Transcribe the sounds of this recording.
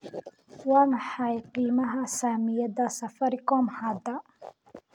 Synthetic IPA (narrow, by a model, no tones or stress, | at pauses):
wɑːmɑħɑjqiːmɐɦɐsaːmɪjɐd̪ɐsɐfɐɾɪkɔːmħaːd̪ɐ